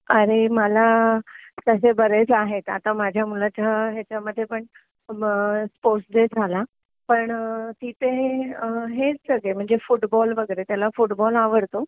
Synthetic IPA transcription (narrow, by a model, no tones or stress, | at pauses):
ɐɾeməla | t̪əsebɐɾed͡zaːɦet̪a̰t̪əmaːd͡ʑʱjamuːlət͡ɕʰaɦet͡ɕamət̪ʰepəɳ | spoːɾsd͡zed͡zʰʱala | pɐɳ̃t̪iːt̪ẽ | ɦed͡zsɐɡem̤ũɦɪ̃ɲd͡zefʊʈbɔːlʋəɡeːɾet̪jalafʊʈbɔːlaːʋəɽt̪o